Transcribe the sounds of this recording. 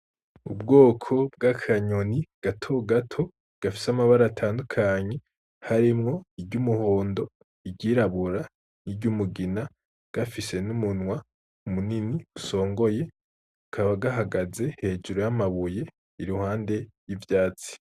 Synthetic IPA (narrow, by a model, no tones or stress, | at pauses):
ubɡo̞ːkʰo̞b̚ɡakʰaɲoniɡ̥atʰo̞ɡatʰo̞ | ɡ̥afi̥samaβaɾaːtʰaːndukʰaɲe̞ | haɾimŋo̞ibɟumuho̞ːndo̞ | iɟiːɾaβuɾa | niɟumuɡina | ɡ̥afise̞numunwa | umuniniuso̞ːŋɡo̞je̞ | ukʰaβaɡaɦaɡaze̞he̞ːd͡ʒuɾojamaβuje̞ | iɾuhaːnde̞jivjaːt͡si̥